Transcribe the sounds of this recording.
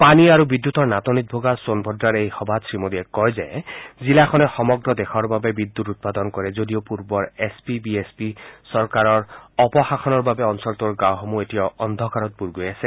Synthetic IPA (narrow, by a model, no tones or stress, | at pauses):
paniaɹubid̪ːut̪ɔɹnat̪ɔnit̪̚bʱoɡasonbʱɔdɹaɹejxɔbʱasɹimod̪iɛkɔjzɛzilakʰɔnɛxɔmɔɡɹɔd̪exʰɔɹbabɛbid̪ːutut̪̚pad̪ɔnkɔɹɛzodiopuɹbɔɹespibiespisɔɹkaɹɔɹɔpɔxaxʰɔnɔɹbabɛɔnsɔɹt̪uɹɡawɦɔmuetijaɔnd̪ʱɔkaɹɔt̪̚buɹɡojasɛ